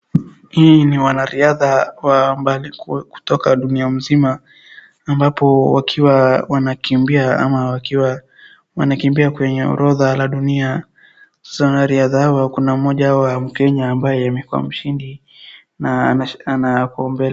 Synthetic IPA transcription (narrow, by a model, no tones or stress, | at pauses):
hiːniwanaɾiaðawambalikku̥tɔkaɗuniam̩zimaː | mbapɔwakʰiwawanakimbiaa̰mawakiwa | wa̰nakimbiakwɛɲɛɔ̰ɾɔðalaɗunia | sḁsawanaɾiaðahawakunam̩mɔʄawam̩kɛɲaːmbajɛamɛkua̰m̩ʃindi | naanakɔmbɛl